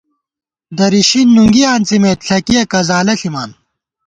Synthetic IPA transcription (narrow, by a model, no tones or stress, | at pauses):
d̪ɐɾiɕinːuŋɡijaːnt͡simeːt̪ɬʰɐkijɐkɐzaːlɐɬimaːn